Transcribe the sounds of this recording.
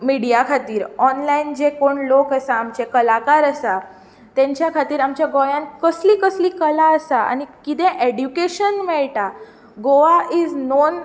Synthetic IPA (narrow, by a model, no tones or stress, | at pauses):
miɽijakʰat̪iːɾɔnlaind͡zekoɳlokəsaːmt͡ɕekəlakaɾəsa | t̪ɛ̃ɲt͡ɕjakʰat̪iːɾamt͡ɕjaɡojãnkəsliːkəsliːkəlaəsaa̰ñikit̪ɛ̃ʔeɽjukeɕənmɛɭʈa | ɡoʋaiːd͡znon